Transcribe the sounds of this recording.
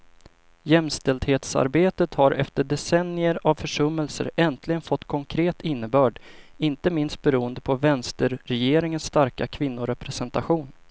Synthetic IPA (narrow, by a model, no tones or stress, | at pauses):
jɛmst̪ɛld̪heːt̪sa̰ɾbeːt̪ət̪haɾʔɛft̪əɖɛsɛnɪəɾavfœʂɵmːəlsə̰ɾɛnt̪lɪɡənfɔt̪ːkʰɔŋkʰɾeːt̪ɪnːəbœːɖɪnt̪əmɪnst̪̚bɛɾuːənd̪əpʰɔvɛnst̪əɾɾɛjeːɾɪŋənst̪aɾkakʰvɪn̪ːʊɾɛpɾɛsɛnt̪aɧuːn